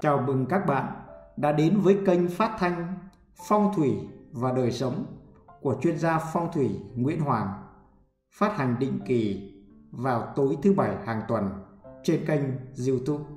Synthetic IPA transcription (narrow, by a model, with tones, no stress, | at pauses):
t͡ɕaː˨˩wɓɨ˨˩ŋkaː˦˥k̚ɓa̰ː˧˨nɗa̰ː˧˥ɗe˨˦nvəː˨˦jkə˧jŋ̟faː˦˥t̚t̪ʰa˧jŋ̟ | fɔ˧wŋ͡mt̪ʰwi˧˩vaː˨˩ɗəː˨˩jsə˨˦wŋ͡m | ku˧˩ət͡ɕwi˧ənzaː˧fɔ˧wŋ͡mt̪ʰwi˧˩ŋwḭ˧˥ənhwaː˨˩ŋ | faː˦˥t̚ha˨˩ŋ̟ɗḭ˧˨ŋ̟ki˨˩vaː˨˩wt̪o˨˦jt̪ʰɨ˨˦ɓa˧˩jhaː˨˩ŋt̪wə˨˩nt͡ɕe˧nkə˧jŋ̟zi˧ə˧wt̪ʰṵ˧˥